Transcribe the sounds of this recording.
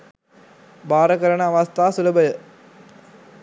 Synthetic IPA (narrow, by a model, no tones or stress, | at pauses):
baːɾɐkɐɾɐɳɐːʋɐst̪aːsulɐbɐjə